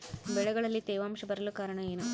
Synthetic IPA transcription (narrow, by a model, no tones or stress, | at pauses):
ʋɛɭɐɡɐɭɐlːit̪eːʋaːmʂɐbɐɾɐlukaːɾɐɳɐjeːnu